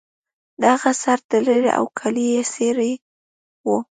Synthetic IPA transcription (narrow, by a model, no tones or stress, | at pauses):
d̪aɣasaɾd̪əlaɾḛʔa̰wkʰalijeseɾe | wu